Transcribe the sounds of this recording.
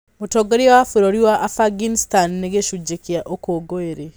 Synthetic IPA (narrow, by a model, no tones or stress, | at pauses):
motɔɡoɾiawafuɾoɾiwaʔafaɡinstanːeɣeʃud͡ʒekiaʔokoɡoeɾe